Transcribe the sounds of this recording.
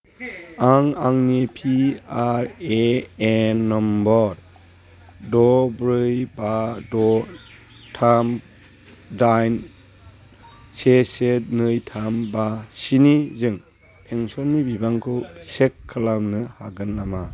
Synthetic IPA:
aŋaŋnepʰiaɾeenːɔmbɔɾ | dɔbɾɯjbadɔ | tʰam | dajn | sesenɯjtʰambasinizɯŋ | pʰeŋsɔnːibibaŋkʰɯsekʰːalamnɯhaɡɯnːama

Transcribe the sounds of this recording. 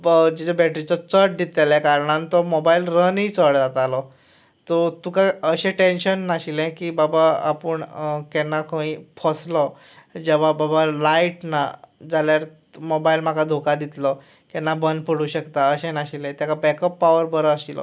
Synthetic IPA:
d͡ʑid͡ʑabɛʈɾit͡sɔt͡səʈ̚d̪it̪eljɛkaɾɳãnt̪ɔmɔbailɾənɦit͡səɽd͡zat̪alɔ | t̪ɔt̪ukaəɕẽʈenɕənːaɕilɛ̃kiːbabaa̰pəɳkɛnːakʰõĩpʰɔslɔ | d͡ʑɛʋ̤ababalaiʈnad͡zaljaɾ | mobailm̤akad̪ʱokad̪it̪lɔ | kɛnːabənpəɽuɕəkt̪aəɕɛ̃naɕilɛ̃t̪jakabɛkəpːaʋəɾbəɾɔaɕilɔ̰

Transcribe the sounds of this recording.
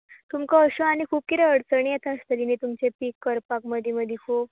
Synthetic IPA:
t̪umkəəɕoañikʰuːp̚kit̪ɛəɽt͡səɳiet̪ast̪əɾinet̪umt͡ɕepikːəɾpakməd̪ʱiməd̪ʱikʰo

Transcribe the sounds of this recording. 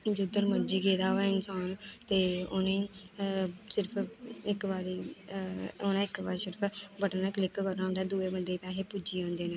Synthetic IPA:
d͡ʒʊd̪əɾməd͡ʒiːɡeːd̪aːɛːɪnsaːnt̪eːʊnẽː | sɪɾpʰɪkʋaːɾiː | ʊnãːɪkbaːɾsɪɾpʰbəʈːnãːklɪkkəɾaːʊnd̪aːd̪uːeːbənd̪eːpɛːɦeːpud͡ʒiːãːnd̪eːnẽː

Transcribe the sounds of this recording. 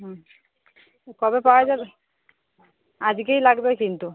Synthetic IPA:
ɦ | kɔbepawad͡ʑaɾ | ad͡ʑɡejlaɡbekint̪u

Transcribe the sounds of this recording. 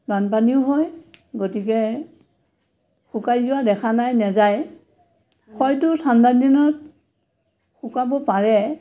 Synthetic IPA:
banpaniʊɦɔjɡotikɛ | xukaɹjzuwadɛkʰanajnɛzaj | xɔjtʊtʰandadinɔt̚ | xukabɔpaɹɛ

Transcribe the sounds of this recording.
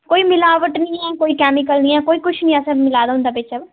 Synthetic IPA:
koːiːmɪlaːʋəʈnĩːɛːkoːiːkɛːmɪkəlnĩːɛːkoːiːkʊt͡ʃʰnĩːɛsəɾmɪlaːd̪aɦʊ̃nd̪aːbɪːt͡ʃa

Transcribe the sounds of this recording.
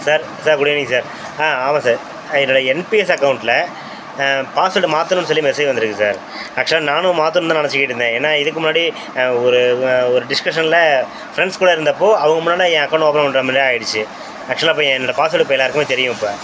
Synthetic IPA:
saːɾ | saːɾkʊɽɪnĩŋɡsaːɾ | aːaːmãːsaːɾ | ɛnːɐɽɐɛnpiɛsɐkːɐʊɳʈlɐ | paːsɐʈːɯmaːt̪ːɯnʊ̃nsɔlːimɛsɐjʋɐnd̪ɯɾɯkːɯsa̰ːɾ | ɐkʂɐlãnaːnʊ̃maːt̪ːɯñmd̪ãːnɐnɐt͡ʃːɯkːɪʈːɯnd̪ẽːeːnːaːɪðɯkːɯmʊnːaːɽi | ɔɾɯɔɾɯɖɪskɐʂɐnɪlɐ | fɾɛɳɖskʊːɽɐɪɾɯnd̪ɐpːoːɐʋɐŋɡɐmʊnːaːɽiɛ̃ːɐkːɐʊɳʈoːpɐɾɐ̃ʋɐnɖɾaːmnːɾaːjɪɽɯt͡ʃːɯ | ɐk̚ʂlãːɪp̬ːõːɛ̃ɛnːɔɽɐpaːsʋɐʈːɯpoːjɛlaːɾɯkːɯmeːt̪ɛɾɪjʊ̃ɐpːaː

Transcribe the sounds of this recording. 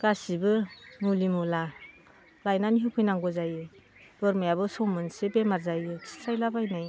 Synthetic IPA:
ɡ̥asibɯmulimula | lajnaniɦɯkʰɯjnaŋɡɔzajɯ | bɯɾmajabɯsɔmɯnsebemaɾzajɯkʰi̥sajlabajnɯj

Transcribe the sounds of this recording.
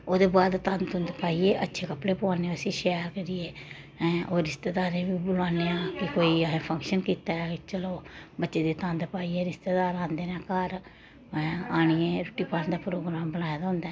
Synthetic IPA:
oːd̪eːbaːd̪t̪ə̃nd̪ʊnd̪paːiːeːʔətːʃʰeːkəpɽeːpʊaːneːəsiːʃɛːɾkəɾijeː | ʔoːɾɪst̪eːd̪aːɾẽːbiːbʊlaːneːãːkɪkoːiːɦẽːpʰə̃ŋkʃənkiːt̪aːt͡ʃəloːbətːʃeːd̪eːt̪ə̃nd̪paːiːeːɾɪst̪eːd̪aːɾãːnd̪eːnãːkəɾ | aːɽ̃ɪẽːɾʊʈiːpaːnd̪aːpɾoːɡɾaːmbənaːjed̪aːɦʊ̃nd̪aː

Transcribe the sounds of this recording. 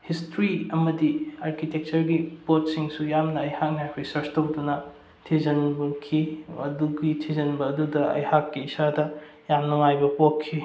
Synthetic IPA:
histɾiɐmɐdiaɾkitek̚t͡ʃɐɾɡipot̚siŋsujamnɐːjhak̚nakʰijsɐɾstowdunɐ | tʰizɐnbɐkʰiɐduɡitʰizɐnbɐːdudɐʔɐ̰jhakːiːsadɐ | jamnuŋajbɐpokʰːi

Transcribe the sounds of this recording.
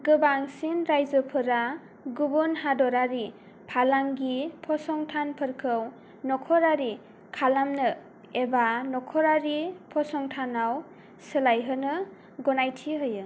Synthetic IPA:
ɡɯbaŋsinɾajzɯpʰɯɾa | ɡubunɦadɔɾaɾi | pʰalaŋɡipʰɔsɔŋtʰanpʰɯɾkʰɯw | nɔkʰɔɾaɾi | kʰalamnɯ | ebanɔkʰɔɾaɾipʰɔsɔŋtʰanaw | sɯlajɦɯnɯ | ɡɔnajtʰiɦɯjɯ

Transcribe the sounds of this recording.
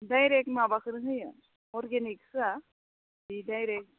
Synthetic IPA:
dajɾek̚ʈmabakɯɾɦɯjə | ɔɾɡeniksa | idajɾek̚ʈ̚

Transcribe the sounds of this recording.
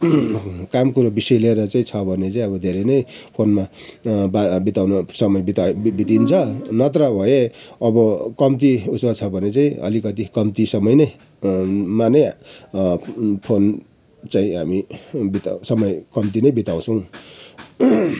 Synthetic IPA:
kamkuɾobisʌleɾʌt͡saĩt͡sʰʌbʱʌnet͡saĩʌβʌd̪ʱeɾʌjnʌjpʰonma | babit̪awnʌsʌmʌjbit̪abit̪int͡sʰʌnʌt̪ɾʌbʱʌjeʌbʌkʌmt̪iusmat͡sʰʌbʱʌnet͡saĩʌ̰likʌt̪ikʌmt̪isʌmʌjnʌj | manej | pʰon | t͡saĩɦa̰mibit̪sʌmʌjkʌmt̪̬inʌjbit̪aw̃t͡sʰʌw̃

